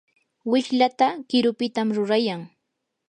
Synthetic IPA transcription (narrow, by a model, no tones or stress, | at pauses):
wɪʃlat̪akɪɾʊpɪt̪amɾʊɾajaŋ